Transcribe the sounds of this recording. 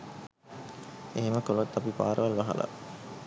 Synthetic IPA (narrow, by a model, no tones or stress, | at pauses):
eɦeməkolɐt̪ːapipa̰ːɾəʋalʋaɦa̰lʔa̰